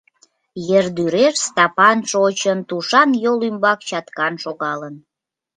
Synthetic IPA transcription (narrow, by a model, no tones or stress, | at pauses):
jerd̪yɾeʃst̪ɑpɑnʃot͡ɕənt̪uʃɑnjolymbɑkt͡ɕɑt̪kɑnʃoɣɑlən